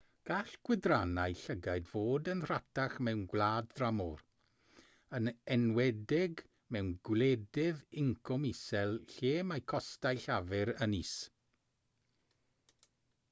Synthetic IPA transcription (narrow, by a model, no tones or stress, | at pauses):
ɡ̥aːɬɡ̥wɪdranajɬəɡajdvoːdənr̥atʰaχmɛwnɡwlˠaːdðramɔr | ənɛnwɛdɪɡ | mɛwnɡwlɛdɪðɪŋkʰɔmisɛlˠɬeːmajkʰɔstajɬavɛɾəniːs